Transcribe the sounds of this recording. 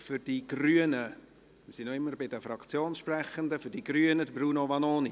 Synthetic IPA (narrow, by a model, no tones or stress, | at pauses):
fʏɾd̥iɡ̥ryənə | mɪsinoɪmːəɾbɪdəfɾɑkt͡sjoːnsʃprɛχənd̪əfʏdiɡɾyːənədbɾuːnovɑnoːni